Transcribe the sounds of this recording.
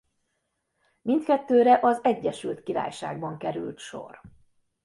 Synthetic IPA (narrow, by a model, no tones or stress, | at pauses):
mint̪kɛt̪ːøːɾɛʔɒzɛɟːɛʃylt̪kiɾa̰ːjʃa̰ːɡ̚bɒŋkɛɾylt̪ʃo̰r